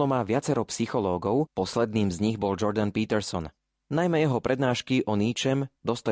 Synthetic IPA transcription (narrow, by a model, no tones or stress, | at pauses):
ɔmaːʋɪat͡sɛɾɔpsixɔlɔːɡɔʊpɔslɛd̪niːmzɲiɣbɔld͡ʒɔɾd̪anpiːt̪ɛɾsɔn | najmɛjɛɦɔpɾʔɛd̪naːʃkiʔɔniːt͡ʃɛmd̪ɔst̪a